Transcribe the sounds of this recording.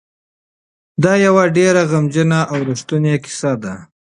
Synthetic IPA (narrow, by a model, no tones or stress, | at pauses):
d̪ɑjawaɖeɾaɣamd͡ʒənaʔawɾʊʂt̪unekɪ̥sad̪a